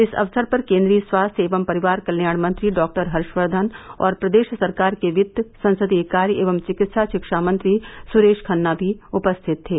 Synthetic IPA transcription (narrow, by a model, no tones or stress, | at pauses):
ɪsɐ̰ʋsəɾpɐɾkẽːnd̪ɾiːəswaːst̪ʰeːʋəmpɐɾɪʋaːɾkɐljaːɽ̃mɐ̃nt̪ɾiɖɔːk̚ʈəɾɦɐɾʃʋəɾd̪ʱənɔ̰ːɾpɾɐd̪eːʃsɐɾkaːɾkeʋɪd̪sɐ̃nsəd̪ieːkaːɾjʔeːʋəmt͡ʃɪkɪt̪ʃaʃɪkʃamɐ̃nt̪ɾisʊɾeːʃkʰɐnːabʱiʊpəst̪ʰɪt̪ːeː